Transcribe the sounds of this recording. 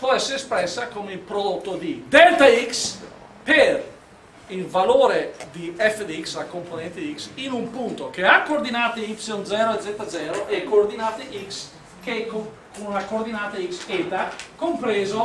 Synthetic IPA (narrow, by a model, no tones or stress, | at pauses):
pɔɛsːeɾespɾɛsːakomeilpɾod̪ot̪ːod̪id̪ɛlt̪aiks | peɾ | ilvaloːɾed̪iɛfed̪iksakomponɛ̃nt̪ed̪iksinumpunt̪okeakːoːɾd̪inaːt̪eipsund̪zɛːɾoed̪zɛt̪ːad̪zɛːɾoʔekːoːɾd̪inaːt̪eʔiks | keko | kunlakoɾd̪inaːt̪aikset̪akompɾeːzo